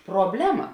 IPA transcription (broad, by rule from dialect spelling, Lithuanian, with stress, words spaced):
proːbʲˈlʲæːmɐ